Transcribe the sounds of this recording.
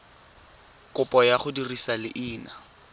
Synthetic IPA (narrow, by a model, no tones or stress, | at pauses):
kʼʊpʼɔjaχʊdirisalɪʔɪːna